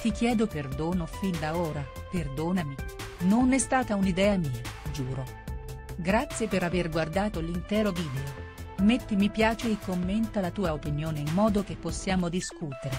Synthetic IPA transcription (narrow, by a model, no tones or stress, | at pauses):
t̪ikjɛːd̪operd̪oːnofind̪aoːɾaperd̪oːnaminonɛst̪aːt̪aunid̪ɛːamiːad͡ʒuːɾo | ɡɾat̪sːjepeɾaverɡward̪aːt̪olint̪ɛːɾoviːd̪eomet̪ːimipjaːt͡ʃeːkːomːent̪alat̪uːaopinjoːneimːɔːd̪ok̟epːosːjaːmod̪iskut̪eɾe